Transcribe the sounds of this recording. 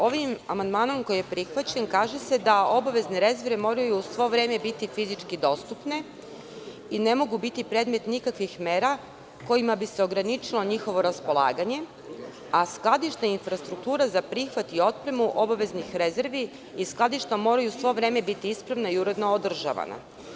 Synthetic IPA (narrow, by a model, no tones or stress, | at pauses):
o̞ʋimamand̪maːno̞mko̞jijepɾixʋat͡ɕe̞nkaːʒese̞d̪ao̞baʋe̞zne̞ɾe̞ze̞ɾʋemo̞ɾajusʋo̞ʋɾe̞ːme̞bit̪ifizit͡ʂkid̪o̞st̪upne̞ | ine̞mo̞ɡubit̪ipɾeːd̪me̞t̪nikakʋixmeːɾa | ko̞imabise̞o̞ɡɾanit͡ʃilˠo̞ɲixo̞ʋo̞ɾaspo̞lˠa̰ːɡaɲe̞ | asklˠad̪iʃt̪ainfɾast̪ɾuk̚t̪uːɾazapɾixʋat̪io̞t̪̚pɾe̞muʔo̞baʋe̞znixɾe̞zeɾʋi | isklˠad̪iʃt̪amo̞ːɾajusʋo̞ʋɾe̞ːme̞bit̪iispɾaʋnaiuɾe̞d̪no̞od̪r̩ʒa̰ʋa̰na̰